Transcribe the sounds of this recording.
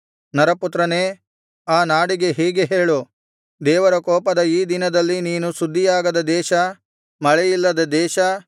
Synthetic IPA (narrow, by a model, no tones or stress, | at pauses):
nɐɾɐput̪ɾɐneː | aːnaːɽiɡe̞ɦɛːɡeɦe̞ːɭu | d̪ɛːʋɐɾɐkɔːpɐd̪ɐiːd̪inɐd̪ɐlːiniːnusud̪ːijaːɡɐd̪ɐd̪ɛːʃɐ | mɐɭɛjilːɐd̪ɐd̪ɛːʃɐ